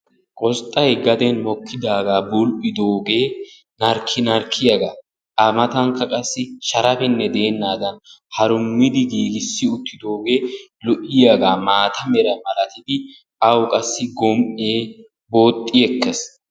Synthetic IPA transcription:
kʼɔst̪ʼːɐjɡɐd̪ɛnmɔkʰːɪd̪aːɡaːbʊlʔɪd̪oːɡe̞ː | nɐɾkʰːɪnɐɾkʰːɪjɐɡaː | ʔɐmɐt̪ɐŋkːɐkʼɐsːɪʃɐɾɐbɪnːɛd̪e̞ːnːaːd̪ɐnhɐɾʊmːɪd̪ɪɡiːɡɪsːɪʊt̪ʰːɪd̪o̞ːɡeːlɔʔɪjaɡaːmaːt̪ɐmɛɾɐmɐɾɐt̪ɪd̪ɪ | ʔɐwkʼɐsːɪɡɔmʔeː | bo̞ːt̪ʼːɪjɛkːɛs

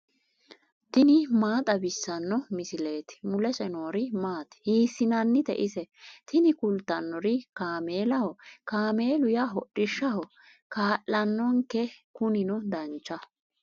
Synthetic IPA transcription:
t̪ɪnɪmaːt̪ʼɐbɪsːɐnːɔmɪsɪle̞ːt̪ɪ̥mʊlɛsʼɛnoːɾɪmaːt̪ɪ̥hiːsːɪnɐnːɪt̪ɛ̰ʔɪsɛt̪ɪnɪkʊlt̪ːɐnːɔɾɪkaːmeːlɐhɔkaːme̞ːlʊjaɦɔɗːɪʃːɐɦɔ | kaːʔːɐnːɔŋkːɛkʊnɪnɔd̪ɐnt͡ʃːɐ

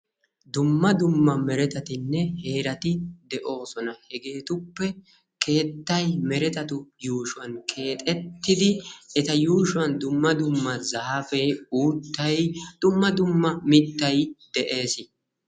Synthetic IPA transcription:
d̪ʊmːɐd̪ʊmːɐmɛɾɛt̪ɐt̪ɪnːɛhe̞ːɾɐt̪ɪd̪ɛʔo̞ːsɔnɐhɛɡe̞ːt̪ʊpːɛ | ke̞ːt̪ːɐjmɛɾɛt̪ɐt̪ʊjuːʃʊwɐnkʰe̞ːt̪ʼɛt̪ːɪd̪ɪɛt̪ɐjuːʃʊwɐnd̪ʊmːɐd̪ʊmːɐzaːfeːuːt̪ːɐjd̪̥ʊmːɐd̪ʊmːɐmɪt̪ːɐjd̪̥ɛʔe̞ːsɪ

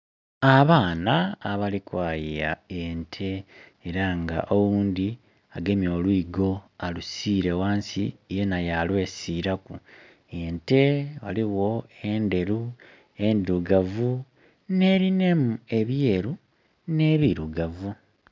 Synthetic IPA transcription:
aβaːnaːβalikwaːjia̰entʰe̞ːɾaŋɡa̰ʔowuːnd̪i | aɡe̞mjo̞ːlwiːɡo̞alusiːɾe̞waːnsijenajalwe̞ːsiɾaku | ente̞βaliɣo̞e̞nde̞ɾu | e̞nduɡavu | ne̞ːɾine̞mue̞βje̞ːɾu | ne̞βiɾuɡavu

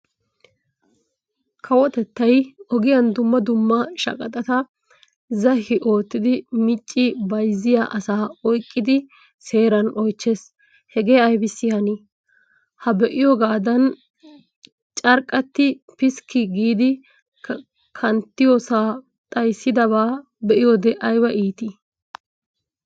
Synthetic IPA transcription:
kʰɐwɔt̪ɛt̪ːɐjʔɔɡɪjɐnd̪ʊmːɐd̪ʊmːɐʃɐ̰kʼɐt̪ʼɐt̪ɐ | zɐhɪʔo̞ːt̪ːɪd̪ɪmɪt͡ʃʼːɪbɐjzːɪjaʔɐsaːɔjkʼːɪd̪ɪ | se̞ːɾɐnʔɔjt͡ʃːes | hɛɡe̞ːɐjbɪsːɪjɐni | hɐbɛʔɪjɔɡaːd̪ɐn | t͡ʃʼɐɾkʼːɐt̪ːɪ | pɪskːɪɡiːd̪ɪ | kʰɐnt̪ːɪjosaː | t̪ʼɐjsːɪd̪ɐβaː | bɛʔɪjod̪ɛʔɐjbɐʔiːt̪ɪ

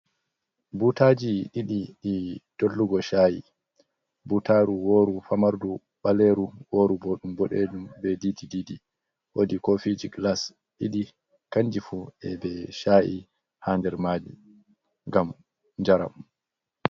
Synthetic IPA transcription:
butaːd͡ʒiɗiɗiɗid̥olːuɡɔʃaːjḭ | butaːɾuwoːɾufamaɾdu | ɓaleɾuwoːɾuboɗumbɔɗɛ̰ɗumbɛdiːdidiːdi | wodikofiːd͡ʒiɡlas | ɗiɗi | kand͡ʒifuɛbɛʃaːʔi | haːndɛɾmaːd͡ʒḭ | ŋɡam | ɲd͡ʒaɾa̰m

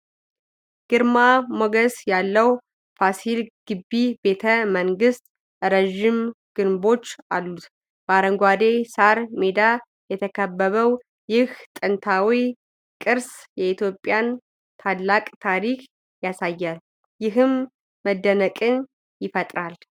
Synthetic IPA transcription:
ɡ̥ɨɾmamoɡəsjalːəw | fasilɡ̥ɨbːibe̞t̪ʰəməŋɡɨst̪ʼ | ɾəʒim | ɡ̥ɨnbo̞t͡ʃːalːut̪ | baɾəŋɡʷwad̪esaɾmed̪a | jɛt̪ʰəkʰəbːəβəw | jɪht̪ʼɨnt̪ʰawi | kʼɨɾsjɛit̪jo̞pʼjan | t̪ʰalːakʼt̪ʰaɾikʰ | jasajːal | jɪɦɨmː | əd̪ːənəkʼɨn | jɪfət̪ʼɾal

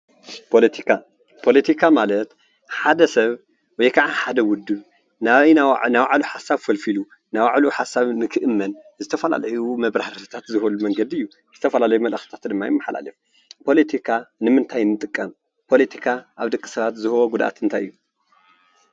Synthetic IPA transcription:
pʰolɐt̪ʰikʰa | pʰo̞let̪ʰikʰamalɐt̪ | ħad̪ɐsɐβ | wɔjkʰaʕaħad̪ɐwʊd̪ːɨβ | nanawaʕluħasaβfɐlfilu | nawaʕluħasaβnɨkʰɨʔɨmːɐn | zɨt̪ʰɐfɐla̰ljumɐβɾaht̪ʰɨ̥t̪ʰat̪zɨhɐlumɐŋɡɐd̪iɨjːu | zɨt̪ʰɐfɐlalɐjumɐlʔɐxi̥t̪ʰḁt̪d̪ɨmːajɪmːaħla̰lɨf | pʰo̞let̪ʰikʰanɨmɨnt̪ʰajnːɨt̪ʼɨkʼːɐm | pʰo̞let̪ʰikʰaʔaβd̪ɐkʼːi̥sɐβat̪zɨhɨwoɡud̪aʔa̰t̪ɨnt̪ʰajʔɨ̰jːu

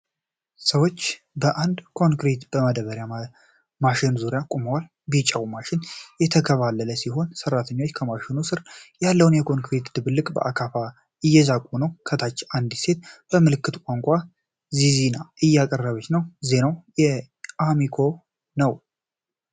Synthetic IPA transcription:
səwo̞t͡ʃː | bəʔand̪kʰo̞ŋkɾit̪b̥əməd̪əβəɾja | maʃɪnzuɾjakʼuməwal | bit͡ʃʼawmaʃɪnjɛt̪ʰəkʰəβalːələsiɦo̞nsərat̪ʰəɲːo̞t͡ʃːkʰəmaʃɪnusɨɾjalːəwunjɛkʰo̞ŋkɾit̪d̪ɨβɨlːɨkʼbə̰ʔakʰafa | ɨjːɛzakʼunəwkʰət̪ʰat͡ʃːʔand̪ise̞t̪b̥əmɨlɨkːɨt̪kʷʼaŋkʷʼa | zizinaʔɨjːakʼərːəβət͡ʃnəwze̞nawjɛ | ʔamikʰo̞ | nəw

